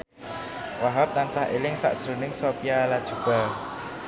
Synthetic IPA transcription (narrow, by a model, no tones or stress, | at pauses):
waɦap̚t̪ansahḛlɪŋsa̰ʔdsɾunɪŋsopijalad̥ʒ̥ṳb̥al